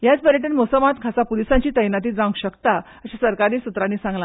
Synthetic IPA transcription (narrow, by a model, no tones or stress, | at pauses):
jat͡spəɾjəʈənmosəmat̪kʰasapulisãɲt͡ɕiːt̪əjnat̪̬iːd͡zãŋɡɕəkt̪a | əɕasəɾkaɾiːsut̪ɾanːiːsãŋɡla